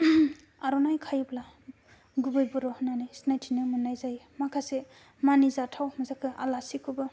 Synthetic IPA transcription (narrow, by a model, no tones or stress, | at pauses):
aɾɔnajkʰajpla | ɡubɯjbɯɾɔnanɯjsnajtʰinɯmɯnːajzaj | makʰase | manizatʰawmɯzakʰɯa̰lasikʰubɯ